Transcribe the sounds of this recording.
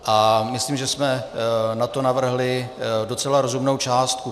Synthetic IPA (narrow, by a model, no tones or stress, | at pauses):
ʔamɪsliːmʒɛsmɛnat̪o̞navr̩ɦlɪdo̞t͡sɛlaɾo̞zumnowt͡ʃaːst̪̚ku